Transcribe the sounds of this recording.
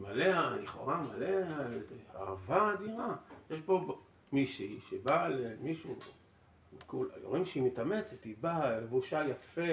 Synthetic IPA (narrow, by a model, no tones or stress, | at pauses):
malealiχo̞̰ʁamaleazea̰vaːd̪iʁajeʃbo̞ | miʃiʃebalemiʃu | mikula̰jo̰ʁimʃeimit̪amet͡set̪ibaevuʃajafe